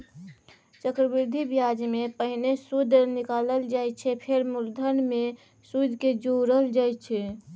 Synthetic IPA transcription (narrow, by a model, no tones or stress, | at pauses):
t͡ʃəkɾəbiɾd̪ʱibjad͡ʒmepəɦnesud̪ʱɾnikaləld͡ʒaj̚t͡ʃʰɛpʰeɾmuld̪ʱənmẽ | sud̪ʱked͡ʒoɾəɦəld͡ʒajt͡ʃʰɛ